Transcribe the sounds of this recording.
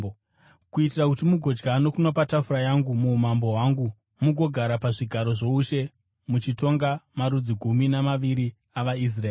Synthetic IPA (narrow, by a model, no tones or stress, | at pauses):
kuitirakutimuɡʱo̞d͡ʒɡano̞kunopatafurajaŋɡumumambo̞ɦwaŋɡu | muɡʱo̞ɡʱaɾapaʐiɡʱaɾo̞ʐo̞uʃe̞ | mut͡ʃito̞ŋɡamaɾud͡ziɡʱuminamaʋiɾi | aʋais̬raeː